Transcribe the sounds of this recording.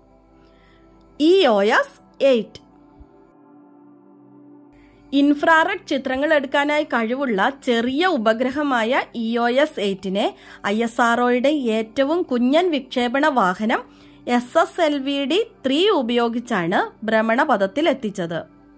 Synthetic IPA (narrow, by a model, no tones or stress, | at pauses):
ioːes | ejtːɨ̥ | infraːrɐʈt͡ɕit̪rɐŋːɐɭe̞ɽukːaːnaːjikɐɻiʋuɭːɐt͡ɕe̞rijɐubɐɡɾɐɦɐmaːjɐʔioːjesejtːine̞ | ɐjesaːro̞ːjuɽe̞eːtːɐʋumkuɲːɐnʋikʂe̞ːbɐɳɐʋaːhɐnɐm | e̞seselʋiːɽit̪riːubɐjo̞ːɡit͡ɕːaːɳɨbɾemːɐɳɐpɐd̪ɐt̪ːile̞t̪ːit͡ɕːɐðɨ